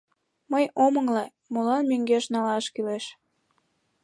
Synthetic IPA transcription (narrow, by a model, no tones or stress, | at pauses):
məjʔoməŋle | molɑnmyŋɡeʃnɑlɑʃkyleʃ